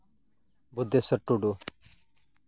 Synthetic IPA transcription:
bʊd̪esəʈːuɖu

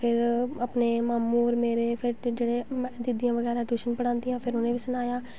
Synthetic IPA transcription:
pʰɪɾəpneːmaːmuːɾmeːɾeːpʰɪɾd͡ʒeːɽeːmɛ̃ːd̪ɪd̪ijãːʋəɡɛːɾaːʈuːʃənpəɽãːnd̪ijãːpʰɪɾʊnẽːʋisənaːjaː

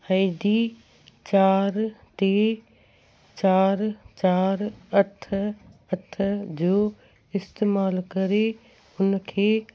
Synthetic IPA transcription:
aɪɖ̪i | t͡ʃaːɾt̪e | t͡ʃaːɾt͡ʃaːɾət̪ʰət̪ʰəd͡ʒo | ɪst̪eːmaːlkɐɾe | ʊnkʰeː

